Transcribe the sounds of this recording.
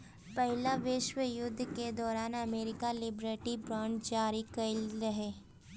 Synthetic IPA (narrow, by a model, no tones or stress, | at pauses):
pɐɦɪlaʋɪʃwəjʊd̪ʱːked̪ɔːɾaːnɐmeːɾɪkalɪbɾeːʈibɾãːɳɖd͡ʒaːɾikɐiɾɐɦeː